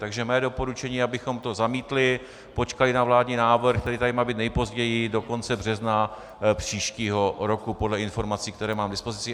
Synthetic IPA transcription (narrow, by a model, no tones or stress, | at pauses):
t̪aɡʒɛmɛːdo̞po̞ɾut͡ʃɛɲiːabɪxo̞mt̪o̞zamiːt̪lɪ | po̞t͡ʃkalɪnavlaːdɲiːnaːvr̩xt̪ɛɾiːt̪adɪmaːbiːt̪nɛjpo̞zɟɛjɪdo̞ko̞nt͡sɛbr̝ɛzna | pr̝̥iːʃciːɦo̞ɾo̞kupo̞dlɛɪnfo̞ɾmat͡siːk̚t̪ɛɾɛːmaːmdɪspo̞zɪt͡sɪ